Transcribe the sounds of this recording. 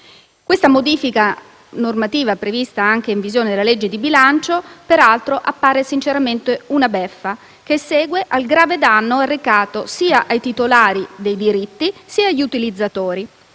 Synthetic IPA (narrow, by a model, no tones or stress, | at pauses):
kwest̪amod̪iːfika | normat̪iːvapɾevist̪aaŋk̟eiɱvizjoːned̪elːaled͡ʒːed̪ibilant͡ʃopeɾalt̪ɾoʔapːaːɾesint͡ʃeɾament̪eunabɛfːa | kesːɛːɡweʔalɡɾaːved̪anːoarːekaːt̪osiːaʔajt̪it̪olaːɾid̪ejd̪iɾit̪ːisiːaʎːut̪ilid̪zːat̪oːɾi